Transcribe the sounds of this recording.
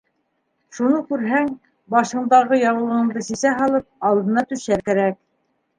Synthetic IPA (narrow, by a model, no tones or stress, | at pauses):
ʃunɤkʉɾɦæŋ | bɑʃɤ̆ɴd̪ɑʁɤjɑwɤ̆lˠɤ̆ʁɤ̆ɴd̪ɤsisæɦɑlˠɤp̚ɑlˠd̪ɤ̆nɑt̪ɵ̆ʃæɾkæɾæk̚